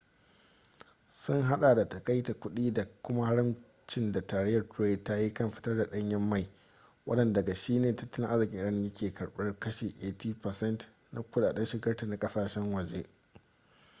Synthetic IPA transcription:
sʊ˦ŋɦa˦ɗa˨da˨tɐ˨kɐ˦jta˨kʷʊ˦ɗiː˦da˨kʷʊ˦ma˦ha˦ɽɪ˦m | t͡ʃɪ˦nda˨taː˨ɾɛ˦jɐ˨rtʊ˨ɾe˦˨dta˦ji˦kɐ˦mɸɪ̥˦tɐ˦rda˨ɗɐ˦ɲjɐ˦mːa˦˨j | wɐ̰˦ɗɐ˨nda˨ɡa˨ʃiː˦neː˨tɐ˦tːɐ˦lɪ˦ŋʔa˦zɪ˨kʲɪ˦ʔɪ˦ɐ˦˨njɐ˦kʲʰeː˨kɐ˨ɽɓɐ˦rkɐ˦ʃeː˨ʔeː˦tiː˦pɐ˨sɛ˦nt | na˦kʷʊ˦ɗaː˨ɗɐ˦nʃɪ˨ɡɐ˦rta˨na˨kʼɐ˦saː˨ʃɛ˦ŋwɐ˨d͡ʒe˦

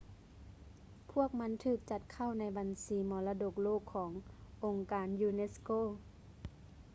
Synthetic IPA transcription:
pʰu˥˩ək̚ma˧˥nt̪ʰɯː˧˩k̚t͡ɕa˧˩t̪̚kʰa˥˩wna˧˥jba˨nsiː˨˦mɔː˨˦la˧do˧˩k̚loː˥˩kʰːɔː˩˦ŋʔo˨˩ŋkaː˨njuː˧ne˧˥skoː˥˩˨

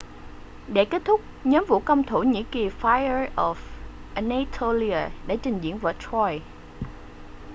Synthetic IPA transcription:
ɗe˧˩ke˦˥t̚t̪ʰʊ˦˥k͡p̚ɲɔ˨˦mvṵ˧˨kə˧wŋ͡mt̪ʰu˧˩ɲḭ˧˥ki˨˩faː˧jə˧ʔɔ˨˩f | ʔa˨na˧t̪ʰo˧li˧a˨˩ɗa̰˧˥˩t͡ɕï˨˩ŋzḭ˧˥ənvəː˧˩t̪ʰɔ˧j

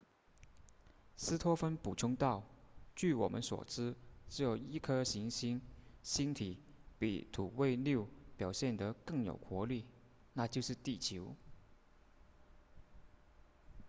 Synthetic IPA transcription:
sɹ̩˥t̪ʰwɔ˥fə˥npu˨˩ʈ͡ʂʰʊ˥ŋt̪ɑ˥˩ʊt͡ɕy˥˩wɔ̰˨˩mʔə̰˦nswɔ̰˨˩ʈ͡ʂɻ̩˥ʈ͡ʂɻ̩˧˥jo˨˩ʊi˥kʰɤ˥ɕi˧˥ŋɕi˥ŋɕi˥nt̪ʰi˧˥pḭ˨˩t̪ʰu˨˩we˥˧ɪlju˥˩ʊpjɑ˨˩ʊɕjɛ˥˩nd̪ə˨kɤ˥˩ŋjo̰˨˩ʊkʰwɔ˧˥li˥˩ | na˥˧t͡ɕjo˥˧ʊʂɻ̩˥˧t̪i˥˩t͡ɕʰjo˧˥ʊ

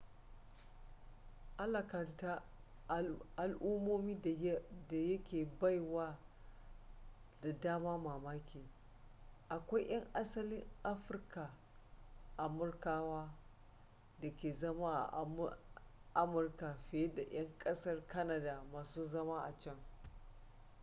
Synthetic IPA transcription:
ʔa˦lɐ˨kɐ˨nta˦ | ʔa˨lʔu˦moː˦miː˦˨da˨jɐ˦kʲeː˨ba˦jwaː˦ | da˨daː˦maː˦maː˨maː˦kʲʰeː˨ | ʔa˨kʷa˦jʔɐ˦ŋʔa˦sɐ˦lɪ˦ŋʔa˦ɸɪ˦rka˨ | ʔa˨mʊ˦rkaː˦waː˦ | da˨kʲeː˨zɐ˦maː˦ʔa̰˨ʔm˦ʔa˦mʊ˨rka˨ɸɪ˨je˦da˨j̰ɐ˦ŋkʼɐ˦sɐ˦rkɐ˦na˨daː˨maː˨suː˦zɐ˦maː˦ʔa˨t͡ʃɛ˦ŋ

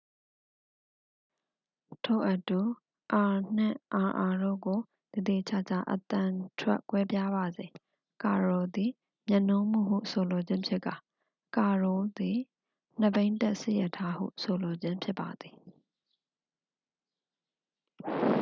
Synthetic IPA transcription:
tʰo̰˦˨ʔə˦tu˨ | ʔa˨n̥ɪ̰̃˦˨ʔa˨ʔa˨ɾo̰˦˨ɡo˨ | d̥ə˨d̪e˨t͡ɕʰa̰˦˨t͡ɕa̰˦˨ʔə̰t̪ã˨tʰwɛ̰˦ʔkwɛ˦pja˦ba˨zẽ˨ | ka˨ɹɔ˨d̪i˨ | mjã˨nõ˦m̥ṵ˦˨ɦṵ˦˨so˨lo˨d͡ʑɪ̃˦mpʰjɪ˦ʔka˨ | ka˨ɹɔ˨d̪i˨ | n̥ə˨bẽ˦ɪ̃ntɛ˦ʔsḛ˦˨jɛ˦˨tʰa˦hṵ˦˨so˨lo˨d͡ʑɪ̃˦mpʰjɪ˦pːa˨d̪i˨

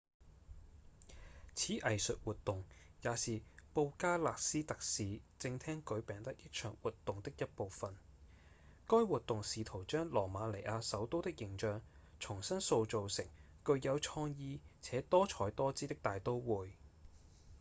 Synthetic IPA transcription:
t͡sʰiː˨˥ʔɐ˨jsɵ̰˨t̚wuː˨t̪ʊ˨ŋjaː˨˧siː˨po˧wkaː˥laː˨k̚siː˥t̪ɐ˨k̚siː˨˧t͡sɪ˧ŋt̪ʰɛː˥ŋkɵ˨˥ɥpɛː˨ŋt̪ɐ˥k̚jɪ˥k̚t͡ʃʰœː˨˩ŋwuː˨t̪ːʊ˨ŋt̪ɪ˥k̚jɐ˥t̚po˨wfɐ˨n | kɔː˥jwuː˨˩t̚t̪ːʊ˨ŋsiː˨˧t̪ʰo˨˩wt͡ʃœː˥ŋlɔː˨˩maː˨˧le˨˩ʔaː˧sɐ˨˥wt̪o˥wt̪ɪ˥k̚jɪ˨˩ŋt͡ʃœː˨˧ŋ | t͡sʰʊ˨˩ŋsɐ˥nso˧wt͡so˨wsɪ˨˩ŋ | kɵ˧ɥjɐ˨˧wt͡ʃʰɔː˥ŋjiː˥t͡sʰɛː˨˥t̪ɔː˥t͡ʃʰɔː˨˥jt̪ɔː˥t͡siː˥t̪ɪ˥k̚t̪aː˨jt̪o˥wwuː˨˩j

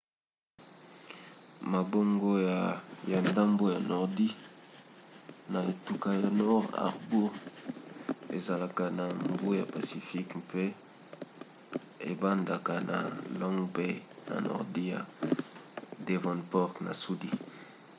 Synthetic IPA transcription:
ma˨bo˦ŋɡo˦ja˨ja˨nda˦mbo˦ja˨nɔ˨ʁdi˦ | na˨e˨tu˨ka˦ja˨nɔ˦ʁa̰˨ʁbu˦ʁ | e˨za˨la˨ka˨na˨mbo˦ja˨pa˨si˨fi˦kpe˦ | ḛ˨ba˦nda˨ka˨na̰˨lɔ˦ŋɡbe˦na̰˨nɔ̰˨ʁdi˦ja̰˨ | de˨vɔ̃˨npɔ˦ʁkna̰˨su˦di˦

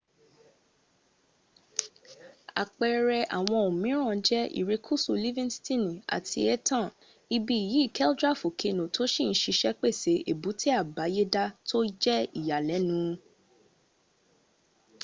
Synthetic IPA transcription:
a̰˨k͡pɛ˧ɾɛ˧ʔa˨w̃ɔ̃˧o˨mĩ˨˦ɾ̃ã˦˨˧d͡ʒɛ˦ḭ˨ɾe˨˧kʰu˦˨su˧li˦vĩ˦nstĩ˦˨nĩ˨a̰˨tʰḭ˧ɛ˦tã˦˨ | i˧bi˧i˨ji˨˦i˦˨kɛ˦ldɾa˦˨fo˨kʰe˧nõ˨tʰo˦ʃĩ˦˨n̩˦ʃi˧ʃɛ˦k͡pe˦˨se˨˦e˨bu˨˦ti˦a˦˨ba˨˦je˦da˦tʰo˦d͡ʒɛ˦i˦˨ja˨lɛ˨˦nũ˨˦

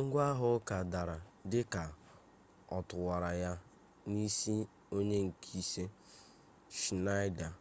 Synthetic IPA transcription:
ŋ̩˦ɡʷa˦ɦʊ˦ka˨da˨ɾa˨dɪ˦ka˨ | ɔ˨tʊ˨wa˨ɾa˨ja˦ | ni˦si˦ | o˦ɲe˦ŋ̩˨kʰi˦se˦ | ʃi˨na˦jda˨

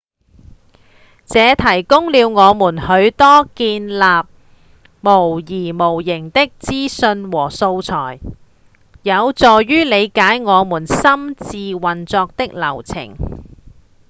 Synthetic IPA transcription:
t͡sɛː˨˧t̪ʰɐ˨˩jkʊ˥ŋliː˨˧wŋɔː˨˧muː˨˩nhɵ˨˧˥ɥt̪ɔː˥kiː˧nlaː˨p̚ | mo˨˩wjiː˨˩mo˨˩wjɪ˨˩ŋt̪ɪ˥k̚t͡siː˥sɵ˧nwɔː˨˩so˧wt͡sʰɔː˨˩j | jɐ˨˧wt͡sɔː˨jːyː˥le˨˧jkaː˨˥jŋɔː˨˧muː˨˩nsɐ˥mt͡siː˧wɐ˨nt͡sɔː˧k̚t̪ɪ˥k̚lɐ˨˩wt͡sʰɪ̰˨˩ŋ

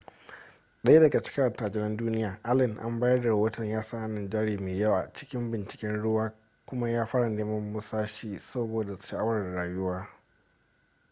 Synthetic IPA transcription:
ɗɐ˦je˦dɐ˨ɡa˨t͡ʃɪ̥˦kʲɐ˦ɽɐ˨taː˨d͡ʒɪ˨nɐ˦nduː˦nɪ˦jaː˨ʔa˦lɪ˨nʔa̰˦mbaː˦jɐ˦rda˨ɽɐ˦wo˦tɐ˨ɲjaː˦sa˦ʔa˨na˨nd͡ʒɛː˦ɽiː˨meː˨jɐ˦wa˨t͡ʃɪ̥˦kʲɪ˦mbɪ˨nt͡ʃɪ̥˨kʲɛ˦nɽʊ˦waː˦ | kʷʊ˦ma˦jaː˦ɸaː˦ɽa˨neː˦mɐ˦mːʊ˦saː˦ʃiː˦sɐ˦boː˨da˨ʃa˨ʔa˦wɐ˨ɽɽaː˨jʊ˦waː˦

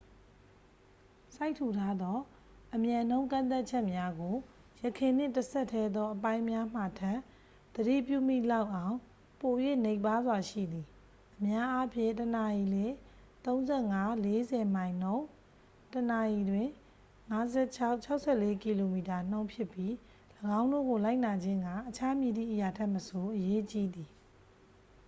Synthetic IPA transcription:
sa˦ɪʔtʰːu˨tʰa˦d̪ɔ˦ | ʔəmjã˨n̥õ˦ʊ̃ŋk̬ã̰˦˨nt̪̬a˦t̚t͡ɕʰɛ˦ʔmja˦ɡo˨ | jə˨kʰɪ̃˨n̥ɪ̰̃˦˨təsʰɛ˦ʔtʰːɛ˦d̪ɔ˦ʔəpã˦ɪ̃mja˦m̥a˨tʰã˦˨ | d̪̥ədḭ˦˨pjṵ˦˨m̥ḭ˦˨la˦ʊʔã˨ʊ̃ | po˨jwḛ˦˨ne˦˨ɪ̃pa˦zwa˨ʃḭ˦˨d̪i˨ | ʔəmja˦ʔa˦pʰjɪ̰̃˦˨ntəna˨ji˨lɪ̃˦ | t̪õ˦ʊ̃nzɛ˦˨ŋa˦le˦zɛ˨mã˨ɪ̃n̥õ˦ʊ̃ | təna˨ji˨dwɪ̃˦˨ | ŋa˦zɛ˦˨t͡ɕʰa˦ʊʔt͡ɕʰa˦ʊʔsʰɛ˦˨le˦ki˨lo˨mi˨ta˨n̥õ˦ʊ̃mpʰjɪ˦˨pːji˦ | ləɡã˦ʊ̃ndo̰˦˨ɡo˨la˦ɪʔna˨d͡ʑɪ̃˦ŋɡã˦˨ʔət͡ɕʰa˦mji˨d̪ḭ˦˨ʔəja˨tʰɛ˦ʔməso˨ʔəje˦t͡ɕi˦d̪i˨

